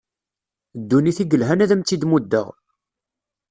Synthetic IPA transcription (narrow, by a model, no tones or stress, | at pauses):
d̪ːuniθiɡəlɦænæðæmt͡s̪ːid̪mud̪ːə̰ʁ